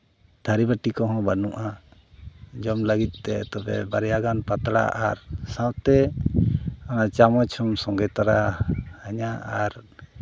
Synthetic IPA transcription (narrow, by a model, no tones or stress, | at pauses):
t̪ʰaɾibaʈikɔɦɔ̃banũʔa | d͡ʒɔmləɡit̪̚ˀt̪ɛt̪ɔbɛ̰baɾɛjaɡanpat̪ɽa̰ʔaɾsãwt̪ɛ | ɔnat͡ʃamɔt͡ʃʰɔmsɔŋɡɛt̪aɾaaɲaʔaɾ